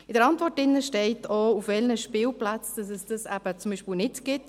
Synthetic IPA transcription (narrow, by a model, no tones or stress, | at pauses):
ɪd̥əɾɑntvɔɾtɪnːəʃtɛɪtoufvɛlnəʃpɪːlplat͡sd̥ɑs̬ɛsd̥ɑsæb̥ət͡sʊmbiːʃpiːlnɪtɡ̥ɪt